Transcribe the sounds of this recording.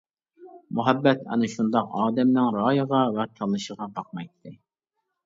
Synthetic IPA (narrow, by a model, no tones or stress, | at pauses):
muɦɛbːɛt̪ɛ̰nɨʃund̪ɑqɑːd̪ɛmnɪŋɾɑːjəʁɑwæɾt̪ʰɑlˠːɨʃəʁɑbɑq̚mɑjt̪ʰːɨ